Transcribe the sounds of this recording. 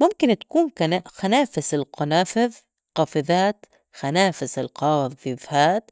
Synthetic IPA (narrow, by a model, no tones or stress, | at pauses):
mʊmkɪnt̪ḁkuːnkanaxanaːfɪsɪlqɑnaːfɪð | qɑːfɪðaːt̪ | xanaːfɪsɪlqɑːwðɪðhaːt̪